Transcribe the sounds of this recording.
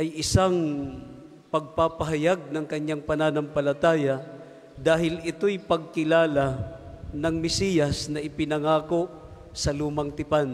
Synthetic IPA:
ʔɐjʔɪsaŋ | pɐɡ̚papɐɦɐjaɡ̚nɐŋkɐɲːaŋpɐnaːnɐŋpɐlɐt̪aːjɐ | d̪aːɦɪlɪt̪ojpɐɡ̚kɪlaːla | nɐŋmɛsiːjɐsnɐʔɪpɪnɐŋaːko̞ʔ | sɐluːmɐŋt̪ɪpan

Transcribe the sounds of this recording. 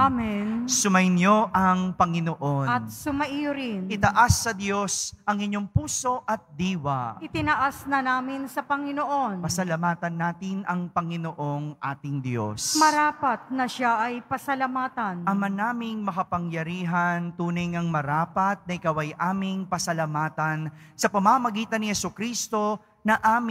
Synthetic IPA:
ʔamɛnsʊmɐjnjo̞ʔɐŋpɐŋɪnoʔonɐt̪̚sʊmɐʔijʊɾɪnʔɪt̪ɐʔasːɐd̪jo̞sɐŋɪɲjo̞ŋpuːso̞ʔɐt̪̚d̪iːwɐʔɪt̪ɪnɐʔasnɐnaːmɪnsɐpɐŋɪnoʔonpɐsɐlɐmaːt̪ɐnːaːt̪ɪnʔɐŋpɐŋɪnoʔo̞ŋʔaːt̪ɪŋd̪jo̰smɐɾaːpɐt̪̚nɐʃaʔɐjpɐsɐlɐmaːt̪ɐnʔɐmɐnaːmɪŋmɐkɐpɐŋjɐɾiːɦɐnt̪uːnɐjŋɐŋmɐɾaːpɐt̪̚nɐʔɪkawɐjʔaːmɪŋpɐsɐlɐmaːt̪ɐnsɐpɐmamɐɡiːt̪ɐnːɪhɛsukɾist̪o̞ | nɐʔaːm

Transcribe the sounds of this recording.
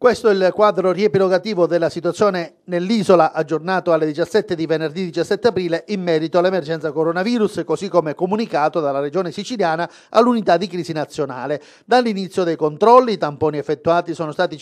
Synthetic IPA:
kwest̪oɛlkwaːd̪ɾoriɛpiloɡat̪iːvod̪ɛlːasit̪uat̪sːjɔːne | nelːiːzolaʔad͡ʒːornaːt̪oalːed̪it͡ʃasːɛt̪ːed̪ivenerd̪id̪it͡ʃasːɛt̪ːeapɾiːleʔimːɛːɾit̪oalːɛmerd͡ʒɛnt̪sakoɾonaviːɾuskosikːomeɛkːomunikaːt̪od̪alared͡ʒɔːnesit͡ʃiljaːna | a̰lːunit̪ad̪ikɾiːzinat̪sːjona̰ːle | d̪alːinit̪sːjod̪ɛjkont̪ɾɔlːiːt̪ampɔːniɛfːet̪ːuaːt̪isɔːnost̪aːt̪i

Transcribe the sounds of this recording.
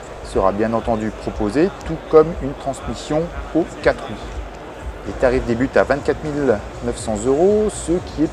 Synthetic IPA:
səʁa̰bjɛ̃nɑ̃t̪ɑ̃d̪ypχɔpozet̪ukɔmynt̪χɑ̃smisjɔ̃okat̪χu | let̪aʁifd̪ebyt̪avɛ̃t̪̚kat̪χmil | nœfsɑ̃zøʁosəkʲʰiɛ

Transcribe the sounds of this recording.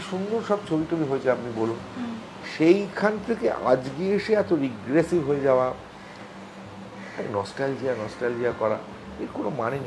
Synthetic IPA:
ʃund̪oɾʃɔbt͡ɕʰobiʈobiɦoet͡ɕʰeapnibolun | ʃejkʰant̪ʰekeʔa̰d͡ʑɡieeʃeɛt̪oɾiɡɾesibɦoed͡ʑaoa | a̰nɔsʈald͡ʑijanɔsʈald͡ʑijakɔɾa̰ | eɾkonomanene

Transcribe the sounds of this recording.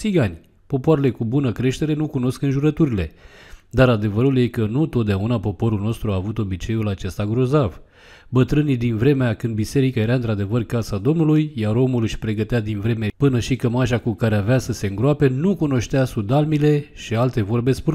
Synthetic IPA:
siɡanʲ | po̞poaɾe̞le̞kubunəkɾe̞ʃt̪e̞ɾe̞nukuno̞skɨnʒuɾət̪uɾile̞d̪aɾad̪e̞vəɾulje̞kənut̪o̞t̪̚d̪eaunapo̞po̞ɾulno̞st̪ɾuaːvut̪o̞bit͡ʃe̞julat͡ʃe̞st̪aɡɾo̞zav | bət̪ɾɨnid̪invɾe̞meakɨnd̪bise̞ɾikae̞ɾaɨnt̪ɾad̪e̞vərkasad̪o̞mnulujjaɾo̞mulɨʃʲpɾe̞ɡət̪ead̪invɾe̞me̞pɨnəʃikəmaʃakukaɾeaveasəse̞ɨŋɡɾoape̞nukuno̞ʃt̪easud̪almile̞ʃialt̪e̞vo̞rbe̞spuɾ

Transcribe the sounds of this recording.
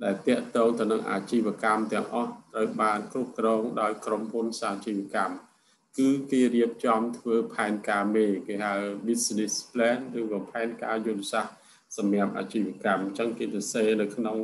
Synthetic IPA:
ɗaɛlt̪ɛ̆əʔt̪ɔːŋt̪ɨwnɨŋʔa̰ːt͡ɕiːʋə̆əkamt̪ɛ̆əŋʔɑht̪rəwɓaːnkrup̚krɔːŋɗaɔjkromhunsaːt͡ɕiːʋ̆əkam | kɨːkeːriəp̚t͡ɕɑmt̪ʰʋəːpʰaɛnkaːmeːkeːhaɓisnispʰlɛːnrɨːkɔːpʰaɛnka̰ːjut̪ɛsah | sɑmiəp̚ʔa̰ːt͡ɕiːʋə̆əkamɲt͡ɕəŋkeːsɑseːnɨwkʰnoŋ

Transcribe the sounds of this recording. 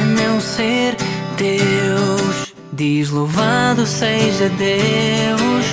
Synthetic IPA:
mew̃seɾ | d̪ewʃ | d̪iʒlˠovaðuseʒɐd̪ewʃ

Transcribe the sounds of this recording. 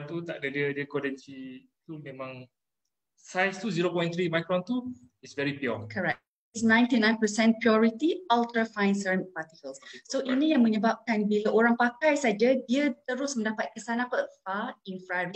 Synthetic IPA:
nt̪ut̪ak̚dədiədiəkɔdɛ̃nsi | t̪umẽmãŋ | sajst̪uziɾopɔ̃j̃nt̪ɾimajkɾɔ̃nt̪u | isvɛɹipiɔkʰəɹɛk̚ | isnãj̃nt̪inãjnpəsɛ̃npiɔɹit̪iɔlt̪ɾəfãj̃nsənpat̪ikəlssoʔinijaŋmə̃ɲəbap̚kanbilaʔoɾaŋpakajsad͡ʒadiət̪əɾʊsmə̃ndapat̪̚kəsanãpəfainfɾaɹi

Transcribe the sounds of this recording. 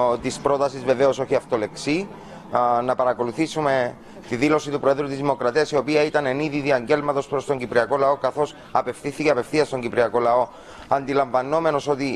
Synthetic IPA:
t̪ispɾo̞t̪ɐsizve̞ve̞o̞so̞çiɐft̪o̞le̞ksi | nɐpɐɾɐko̞luθisume̞ | t̪iðilo̞sit̪upɾo̞e̞ðɾut̪izðimo̞kɾɐt̪iɐsio̞piɐit̪ɐne̞niðiðiɐɲɟe̞lmɐt̪o̞spɾo̞st̪o̞ɲɟipɾiɐko̞lɐo̞kɐθo̞s | ɐpe̞fθiθiceɐpe̞fθiɐst̪o̞ɲɟipɾiɐko̞lɐo̞ | ɐnd̪ilɐɱvɐno̞me̞no̞so̞t̪i

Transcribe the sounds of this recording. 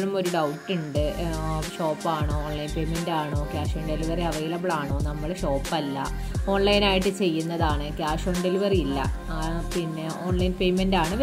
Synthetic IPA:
ɭumo̞ɾuɖɐwʈːuɳɖɨɕo̞ːpːaːɳoːɳlɐjnpe̞jmendaːɳoːkjaːʂoːɳɖe̞liʋɐriɐʋɐjlɐbɭaːɳoːnɐmːɐɭɕo̞ːpːɐlːɐ̰ | o̞ːɳlɐjnaːjiʈːɨt͡ɕe̞jːunːɐðaːɳɨkjaːʂoːɳɖe̞liʋɐriilːɐ̰ | pinːe̞o̞ːɳlɐjnpe̞jmendaːɳɨʋ

